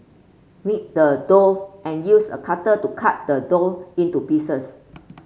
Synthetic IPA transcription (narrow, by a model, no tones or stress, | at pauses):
mit̚dədoʔɛ̃njusə̰kʰatətukʰat̚dədolĩntupisəs